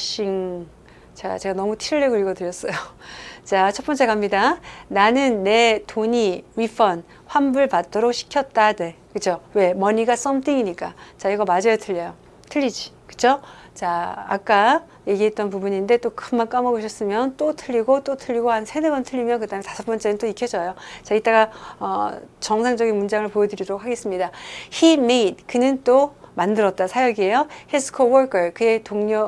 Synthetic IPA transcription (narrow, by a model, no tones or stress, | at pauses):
ɕ͈iŋ | t͡ɕa̰t͡ɕe̞ɡanʌmutʰiɭːeɡɯɭiɡʌdɯɾjʌs͈ʌjot͡ɕat͡ɕʰʌt̚p͈ʌnt͡ɕ͈e̞kʰamɲidananɯnːe̞toɲiɥip͈ʰʌn | ɸwambuɭpat̚t͈ʌɾok̚ɕʰi̥kʰjʌt̚t͈ane̞ | kɯt͡ɕʰowe̞mʌɲiɡas͈ʌmt͈ʰiŋiɲik͈at͡ɕaiɡʌmad͡ʑʌjotʰɯʎːʌjo | tʰɯʎːid͡ʑi | kɯ̥t͡ɕʰot͡ɕa̰ːk͈a | je̞ɡiɦe̞t̚t͈ʌnpubuɲinde̞t͈okʰɯmmank͈amʌɡoɕʰʌs͈ɯmjʌnt͈otʰɯʎːiɡot͈otʰɯʎːiɡohansʰedeɡʌntʰɯʎːimjʌnkɯdaɦɯmetasʰʌp͈ʌnt͡ɕ͈e̞nɯnt͈oikʰjʌd͡ʑʌjot͡ɕait͈aɡaʌt͡ɕʌŋsʰaŋd͡ʑʌɡinmund͡ʑaŋɯɭpojʌdɯɾiɾɾok̚haɡe̞s͈ɯmɲidaçimeit̚kɯnɯnt͈omandɯɾʌt̚t͈asʰajʌɡie̞johesʰɯ̥kʰowʌɭk͈ɯɭkɯetoŋɲʌ